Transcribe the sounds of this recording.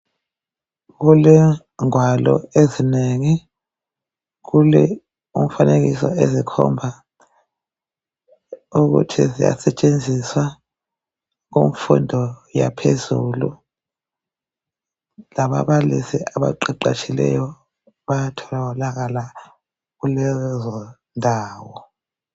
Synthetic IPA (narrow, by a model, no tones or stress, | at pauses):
k̬ulɛ | ŋwalɔezineŋi | k̬ulɛ | um̩fanek̬isɔezikʰɔmbʱa | uk̬ṵtʰizija̰sɛt͡ʃʼend͡zʱiswa | ɣomfundʱɔja̰pʰezulu | laβa̰βalisiaβa̰ǃiǃa̰t͡ʃʰʼilɛ̰jɔ | βajatʰɔlalaɣala | ɣulɛzɔ | ndʱaːwɔ